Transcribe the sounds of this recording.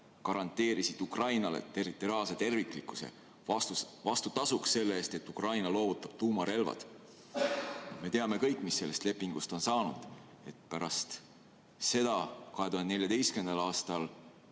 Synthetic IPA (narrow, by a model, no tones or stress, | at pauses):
kɑɾɑnt̪ːˑe̞ːɾisid̪̥ukrɑjnɑlḛt̪e̞rit̪ːˑo̞ɾiɑːlse̞t̪e̞rvikˑlikːˑu̥sḛ | ɑt̪uvɑst̪ut̪ɑsuksːe̞lːeeːst̪e̞t̪ːˑukrɑjnɑlo̞ːvut̪ːˑɑb̥̚t̪uːmɑɾe̞lvɑ̰d̪̥ | me̞t̪e̞ɑme̞kɤ̞jkːˑmisːe̞lːe̞st̪le̞pːˑiŋɡ̥ust̪o̞nsɑːnud̪̥ | e̞t̪̚pæɾɑst̪ | se̞d̪ɑkɑɦe̞t̪uhɑnd̪eeljɑd̪e̞jskymend̪̥ɑlɑːst̪ɑl